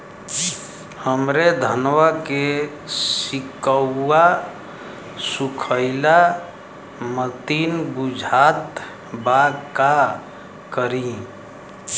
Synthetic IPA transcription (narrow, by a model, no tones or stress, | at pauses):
həmɾed̪ʱənwake | sɪkəːa | sukʰəɪla | mət̪iːnbud͡ʒʱaːt̪ | baka | kəɾĩ